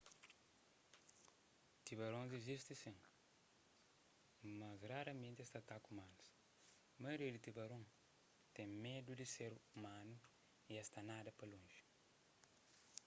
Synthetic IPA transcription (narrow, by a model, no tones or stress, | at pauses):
t̪iβɐɾõnzizist̪isĩ | mɐzraɾɐmẽnt̪est̪ɐt̪akumanus | mɐjɾed̪it̪ibɐɾõ | t̪ẽmed̪ud̪iseɾumanu | iɛst̪anad̪ɐpɐlõʒi̥